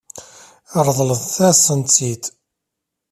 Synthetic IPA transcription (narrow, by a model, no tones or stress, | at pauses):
əɾˤðˤləðθæsənt͡sːit̪